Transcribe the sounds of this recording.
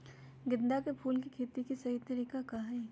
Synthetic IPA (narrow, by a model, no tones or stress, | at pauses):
ɡɪd̪d̪akepʰuːlkikʰeːt̪ikisɐɦit̪ɐɾiːkakaɦɛ